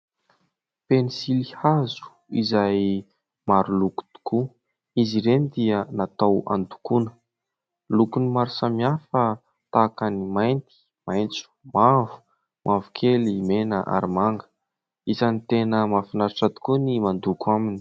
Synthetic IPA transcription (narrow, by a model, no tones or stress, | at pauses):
penisilihazu̥ | izaj | maɾuluku̥t̪u̥kʰu | iziɾenid̪iənat̪awa̰nd̪ukunə̥ | lukunimaɾusamiafə | t̪akanimajnt̪i̥ | majnt͡su̥mavu̥ | mʔavukʰelimenəʔa̰ɾimaŋɡə̥ | izanit̪enəmafinaɾaʈ͡ʂad̪u̥kunimand̪ukuamini̥